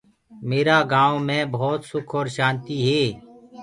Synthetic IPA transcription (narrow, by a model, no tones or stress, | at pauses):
meːɾaːɡãːõːmẽːbɔːt̪sʊkʰoːɾʃaːnt̪iːɦɛː